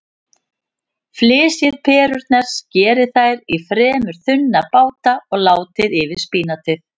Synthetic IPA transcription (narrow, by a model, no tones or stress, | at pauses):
flɪːsjɪðpʰɛːɾʏɾt̪nɛɾ̥scɛːɾɪθajɾifɾɛːmʏɾ̥θʏnːapaːwt̪aɔɣlaːwt̪ɪðɪvɪð̥spiːnat̪ʰɪθ